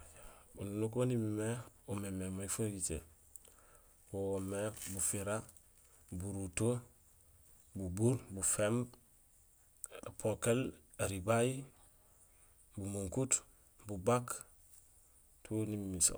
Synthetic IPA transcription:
bununukonimimeomememaifuɡit͡ʃḛ | woomebufiɾa | buɾuto | bubuɾbufemb | pʰokel | eɾibaji | bumuŋkut | bubak | tʰunimmiso̰

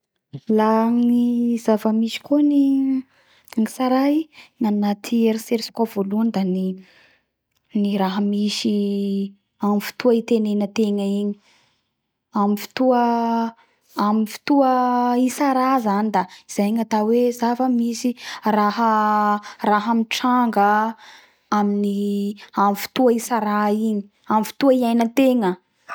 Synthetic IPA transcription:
laniz̥avəmisi̥koni | ŋisaɾajnanat̪ʰieɾiseɾsi̥kav̥oluənd̪ani | niɾaɦəmisi | amifi̥t̪uəit̪enenət̪eŋəiɲi | amifi̥t̪uə | amifi̥t̪uəisaɾazanid̪aiz̥ajŋat̪awezafəmisiraɦə | raɦamiʈ͡ʂaŋɡə | aminiamifi̥t̪uəisaɾaiɲi̥ | amifi̥t̪uəiajnət̪eŋə

